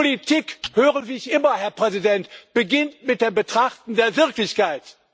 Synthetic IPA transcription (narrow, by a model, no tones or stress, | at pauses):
olitʰiːkhøːʁəviːɪçʔɪmɐhɛɐpʁ̥ɛzidɛntb̥əɡɪntmɪt̚d̥eːmbətʁ̥aχtn̩deːɐvɪɐklɪçkaɪt